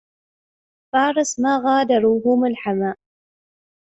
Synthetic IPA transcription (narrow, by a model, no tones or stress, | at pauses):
fɑːɾˤɨsmaːɣaːd̪ɑɾˤuːɦʊmɪlħamaːʔ